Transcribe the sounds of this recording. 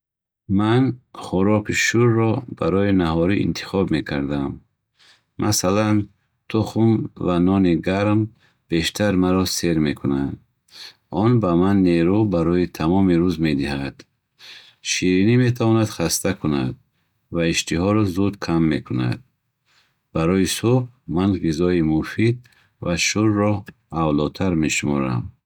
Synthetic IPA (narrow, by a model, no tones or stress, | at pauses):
manχuɾɔkʰiʃuɾːɔb̥aɾɔinaɦɔɾiʔḭnt̪ʰi̥χɔbme̞kʰaɾd̪amː | ʔa̰salan | t̪ʰuχumvanɔniɡaɾm | b̥e̞ʃt̪ʰaɾmaɾɔse̞ɾme̞kʰunad̪ | ɔnbamanːeɾubaɾɔjit̪ʰamɔmiɾuzme̞d̪iɦad̪̥ | ʃiɾinime̞t̪ʰavɔnad̪χast̪ʰakʰuna̰d̪̚ | vaiʃt̪ʰiɦɔɾɔzud̪kʰamːe̞kʰuna̰d̪̚ | b̥aɾɔjisubmanʁizɔimufid̪̚ | vaʃuɾːɔ | avlɔt̪ʰaɾmeʃumɔ̰ɾa̰m